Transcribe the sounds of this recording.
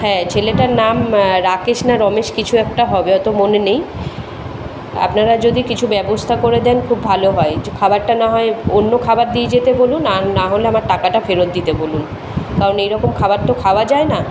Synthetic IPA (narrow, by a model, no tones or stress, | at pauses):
hɛ̃t͡ɕʰeleʈaɾnamɾakeʃnaɾɔmeʃkit͡ɕʰuɛkʈaɦɔbeɔt̪omonenej | a̰pnaɾad͡ʑod̪ikit͡ɕʰubɛbost̪ʰakoɾed̪ɛnkʰubbʱaloɦɔekʰabaɾʈanaɦɔeonːokʰabaɾd̪ied͡ʑet̪ebolunaɾnaɦoleamaɾʈakaʈafeɾot̪̚d̪it̪ebolun | kaɾonejɾɔkomkʰabaɾt̪okʰaoad͡ʑaena